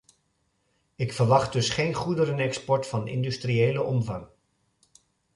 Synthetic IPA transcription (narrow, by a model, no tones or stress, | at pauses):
ɪkfəɹʋɑχt̚dɵsχejnχudəɾənɛkspɔɹtfɑnɪ̰ndystriejləʔɔmvɑŋ